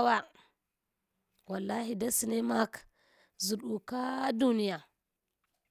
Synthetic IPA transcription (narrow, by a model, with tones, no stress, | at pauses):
wa˦ | wa˨lːa˦hi˨da˦si˨ne˦ma˦k | zu˨ɗu˨ka˦du˦ni˦ja˨